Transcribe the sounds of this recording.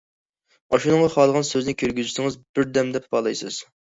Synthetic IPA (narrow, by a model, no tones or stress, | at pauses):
ɑʃunɨŋʁɑχɑlˠəʁɑnsøznɪkʲʰøɾɡʲyzysɪŋɨzbɪɾd̪ɛmd̪ɛpbɑlˠɑjsɨz̥